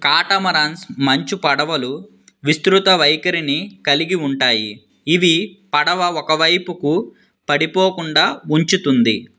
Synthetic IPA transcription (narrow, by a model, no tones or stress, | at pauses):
kaːʈɐmɐɾaːnsmɐɲt͡ʃupɐɽɐʋɐlu | ʋist̪ɾut̪ɐʋɐjkɐɾinikɐliɡiuɳʈaːjḭː | ʋipɐɽɐʋɐɔkɐʋɐjpuku | pɐɽipoːkuɳɖaːuɲt͡ʃut̪und̪i